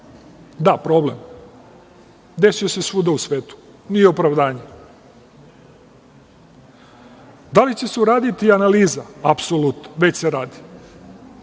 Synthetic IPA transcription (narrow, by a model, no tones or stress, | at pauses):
d̪apɾo̞blḛm | d̪e̞suesesʋud̪ausʋeːt̪u̥ | nijeopɾaʋd̪aːɲe | d̪alit͡ɕe̞seuɾaːd̪it̪ianaliːzaapsolut̪noʋet͡ɕseɾaːd̪i̥